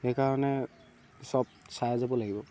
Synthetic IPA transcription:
xekaɹɔnɛ | sɔb̚sajzabɔlaɡibɔ

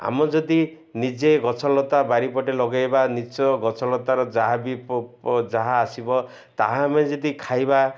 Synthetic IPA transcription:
a̰mɔd͡ʒɔd̪i | nid͡ʒeɡɔt͡ʃʰɔlɔt̪abaɾipɔʈelɔɡajbanit͡ʃɔɡɔt͡ʃʰɔlɔt̪aɾɔd͡ʒaɦabipd͡ʒaɦaːsibɔ | t̪aɦãmaned͡ʒɔd̪ikʰajba

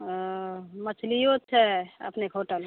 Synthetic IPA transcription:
mət͡ʃʰlijot̪̚t͡ʃʰɛə̰pnekʰɦoʈəl

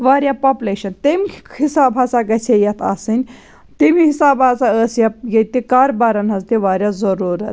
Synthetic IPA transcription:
ʋaːɾʲjapapuleːʃɐnt̪emkʰikhisaːbʱaːsaɡɐt͡sʰejɐt̪ʰa̰ːsɨnʲ | t̪emihisaːbaːzaəːsjɐpjɐt̪ikaːɾbaɾɐnɦɐzt̪iʋaːɾjaːzɐɾuːɾɐt̪

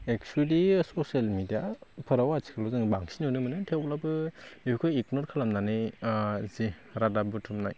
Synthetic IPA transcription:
ek̚t͡ʃuelisɔsalmidijapʰɯɾawat͡ʃʰi̥kʰalɔzɯŋbaŋsinɯnɯmɯnɯtʰewplabɯbeikʰojiknɔɾkʰalamnanɯ | ziɾadabɯtʰumna̰j

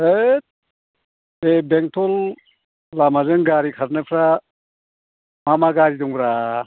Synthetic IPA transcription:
e | ebeŋtʰɔl | lamazɯŋɡaɾikʰaɾnɯpʰɾa | mamaɡaɾidɔŋbɾa

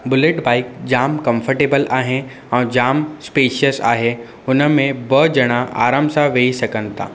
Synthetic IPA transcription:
bʊlɪʈbaːɪk̚d͡ʑaːmkɐ̃mfʰəɾʈeːbəlaːɦe | ɛ̃ːd͡ʑaːmspeːʃiəsa̰ːɦe | ʊnə̆mẽbəd͡ʑɐɽ̃aʔa̰ːɾamsaʋeːisɐkənɪ̆t̪a̰ː

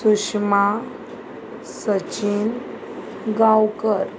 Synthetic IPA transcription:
sukʂma | sət͡ɕin | ɡãwkəɾ

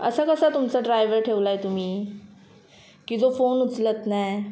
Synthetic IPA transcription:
ə̰sakəsat̪umt͡saɖɾajʋəɾʈʰeʋlaet̪um̤iː | kiːd͡zofonut͡slət̪naj

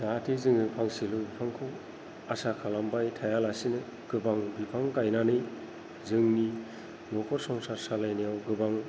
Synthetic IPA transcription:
datʰizɯŋɯpʰaŋsilɯbipʰaŋkʰɯw | asakʰalambajtʰajalasinɯ | ɡ̥ɯbaŋbipʰaŋkajnanɯj | zɯŋmi | nɔkʰɔɾsɔŋsaɾsalajnijawɡɯbaŋ

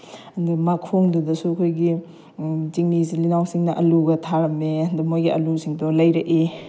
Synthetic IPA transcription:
ɐndumakʰoŋdɐdɐsuɐkʰojɡi | ziŋnizilinawsiŋnɐʔɐluɡɐtʰaɾɐmeɐndumojɡiɐlusiŋdɔlɐjɾɐʔi

